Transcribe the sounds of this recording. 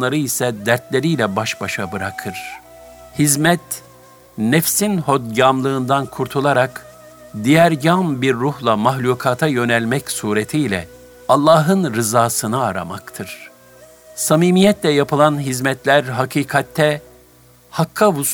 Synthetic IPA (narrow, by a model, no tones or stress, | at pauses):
lˠaɾɯisɛd̪æɾt̪lʲe̞ɾijlʲɛbaʃbaʃabɯɾakʰɯɾ̥ | hizmɛt̪ | nɛfsinhod̪ɟamlˠɯːnd̪ankʰuɾt̪ʰulˠaɾak | d̪ijæɾɟambiɾːuhlˠamaɦlʲuːkʰaːt̪ʰajø̞nɛlʲmɛcsuːɾet̪ʰiːlʲɛ̰ | alˠːaːɦɯnɾɯzaːsɯnɯaɾa̰makt̪ʰɯɾ̥ | samiːmijɛt̪lʲɛjapʰɯlˠanɦizmɛt̪ʰlʲæɾɦakʰiːkʰat̪ʰːɛ | hakʰːavu